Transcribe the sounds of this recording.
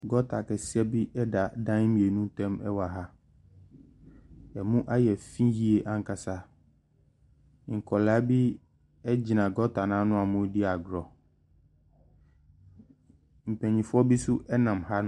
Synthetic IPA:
ɡɔ˦tʰa˨kɛ˨si˦ɛ˦bi˦ɛ˦da˨dã˦mĩ˨e˨nũ˦tɛ̃˦mɛ˦wa˨ɦa˦ | ɛ˨mũ˦ʔa˦jɛ˨fĩ˦ji˦e˨ʔã˦ŋ˦kʰa˨sa˦˨ | ŋ̩˨kʰɔ˨laː˨˦bi˦ | ɛ˦d͡ʑi˨nã˨ɡɔ˦tʰa˨nã˨˦nʊ̃˦a˨mʊ̃˦di˦a˨ɡɾɔ˨ | m̩˨pʰɛ̃˨ɲĩ˨fʊ˦ɔ˦bi˦sʊ˦ʔɛ˦nã˨mha˦

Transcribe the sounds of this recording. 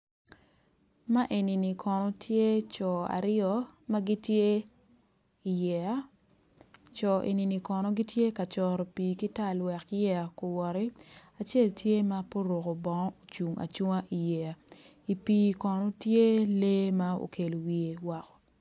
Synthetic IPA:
ma˦ʔe˨ni˨ni˨kʰɔ˨nɔ˨tʰje˦t͡ʃɔ˨a̰˨ɾɪɔ˦ma˦ɡi˦tje˦ | i˨jɛ˨a˦ | t͡ʃɔ˨ʔḛ˨ni˨ni˨kɔ˨nɔ˨ɡi˦tje˦ka˨t͡ʃɔ˨ɾo˨pi˨ki˦ta˦˨lwɛ˨kjɛ˦a˨ko˨wɔ˨ɾi˦a˨t͡ʃe˦˨ltʰje˦ma˦po˦ɾo˨ko˨bɔ˨ŋɔ˦o˨t͡ʃu˨ŋa̰˨t͡ʃu˦ŋa˦ʔi˨jɛ˨a˨ | i˨piː˨kɔ˨nɔ˦tje˦le˦ma˦o̰˨kʰe˨lo˨wi˨e˨wa˨kɔ̥˨

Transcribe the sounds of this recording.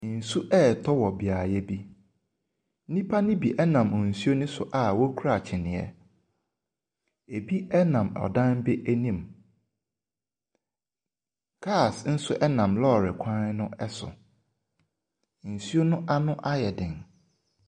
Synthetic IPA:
n̩˨su˦ʔɛ˦˨tʰɔ˦wɔ˨bi˨a˨jɛ˦bi˦ | nĩ˦pʰa˦nɪ̃˦bi˨ʔɛ˦nã˨m˨n̩˨su˦o˦nʊ̃˦sʊ˨ʔa˨wɔ˦kʰu˦ɾa˨t͡ɕʰɪ˨nɪ̃˨ɛ̰˨ | e˨bi˦ɛ˦nã˨mɔ̰˨dã˦nbɪ˦ʔæ˦nĩ˦˨m | kʰa˦˨sn̩˦sʊ˦ʔɛ˦nã˨mlɔː˦˨ɾɪ˨kʷʰã˦n˦nʊ̃˦ɛ˦sʊ̰˨ | n̩˨su˦o˦nʊ̃˦ʔa˦nʊ̃˦ʔa˦jɛ˨dɪ̃˨n

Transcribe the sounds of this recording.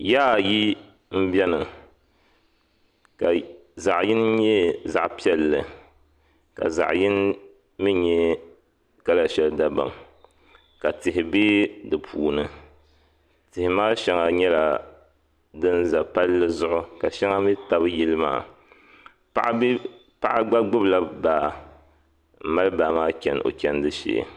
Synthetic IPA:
jaː˦˨ji˦ | m̩˦bʲɛ˦nɨ˨ | ka˨ | za˨ʔji˦n˦ɲɛ˦za̰˨ʔpi˦ɛ˦lːɨ˨ | ka̰˨za̰˨ʔjɪ˦n | mi˦ɲɛ˦ | ka˦la˨ʃɛ˨lɨ˨da˨ba̰˨m | ka˨tɪ˨hɪ˨beː˦dɨ˨pʰuː˨nɨ˨ | tɪ˨hɪ˨maː˦ʃɛ˦ŋa˨ɲɛ˦la˨ | dɨ˦nza˨pa˦lːɨ˦zʊ˦ʔʊ˦ka˨ʃɛ˦ŋa˦mi˦ta˦bɨ˦ji˦lɨ˦ma̰ː˨˦ | ʔ | pa˦ʔa˦ɡ͡ba˦ɡ͡bʊ˦bla˦baː˨ | m̩˦ma˦lɨ˦baː˨maː˦kʲɛ˨no̰˨kʲɛ˦n˦dɨ˦ʃḛ˨

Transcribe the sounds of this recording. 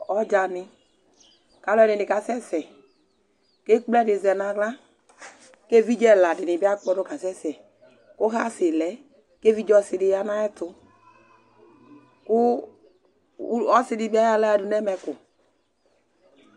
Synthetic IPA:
ɔ˦d͡ʒa˨nɪ˨ | ka˨lɔ˦ɛ˦nɪ˨nɪ˨ka˨sɛ˦sɛ˨ | ke˦k͡plɛ˦dɪ˨zɛ˨na˨ɡla˦ | ke˦vi˦d͡ʒɛ˦˨la˨dɪ˨nɪ˨bi˦a˦k͡pɔ˦dʊ˦ka˨sɛ˦sɛ˨ | kʊ˦ɦa˦sɪ˨lɛ˨˦ | ke˦vi˦d͡ʒɔ˦sɪ˨dɪ˨ja˦na˦ɛ˦tʊ˧ | kʊ˦ | ɔ˦sɪ˨dɪ˨ba˦ja˦la˦ɛ˨dʊ˨nɛ˦mɛ˨kʊ˨

